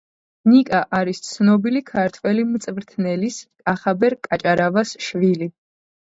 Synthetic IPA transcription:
nikʼaʔaɾist̪sʰnɔbilikʰaɾt̪ʰwɛlimt̪sʼvɾt̪ʰnɛliskʼaχabɛɾkʼat͡ʃʼaɾavasʃvili

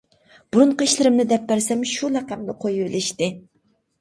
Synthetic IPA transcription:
b̥uɾuɴqəiʃlɪɾɪmnɪd̪ɛpːæɾsɛmʃulæqæmnɨqʰojubɪlɪʃt̪ɪ

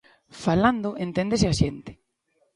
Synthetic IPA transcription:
faland̪ʊʔent̪end̪esɪaʃent̪ɪ̥

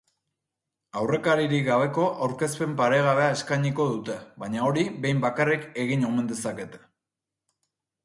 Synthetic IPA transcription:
awre̞kaɾiɾiɡaβ̞e̞ko̞ʔawɾke̞spe̞mpaɾe̞ɣ̞aβe̞ae̞skajɲiko̞ðut̪e̞βaɲao̞ɾiβe̞jmbakarike̞ɣiɲome̞nd̪e̞sake̞t̪e̥

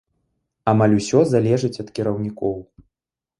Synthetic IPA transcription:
amalʲusʲɔzalʲɛʐɨt͡sʲɐt̪kʲiɾɐwnʲikɔw

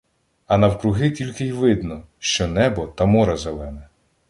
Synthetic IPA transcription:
ɐnɐwkɾʊɦɪtʲilʲkɪjʋɪd̪nɔ | ʃt͡ʃɔnɛbɔt̪ɐmɔɾɐzelˠɛnɛ

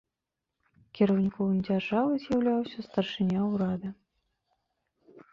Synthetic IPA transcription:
kʲiɾɐwnʲikɔvɨmd͡zʲarʐavɨzʲjawlʲawsʲɐst̪ɐrʂɨnʲawɾad̪ɐ

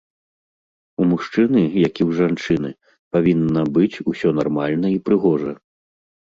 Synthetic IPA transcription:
umuʂt͡ʂɨnɨjakʲiwʐant͡ʂɨnɨ̰ | pavʲinːɐbɨt͡sʲusʲɔnarmalʲnɐipɾɨɣɔʐɐ

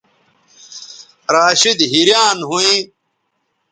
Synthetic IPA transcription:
ɾaːɕid̪ɦiɾjaːnɦuĩ

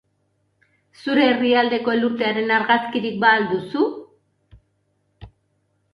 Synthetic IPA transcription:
suɾe̞ːriald̪e̞ko̞eluɾt̪e̞aɾe̞naɾɣaskiɾik̚baːld̪usu

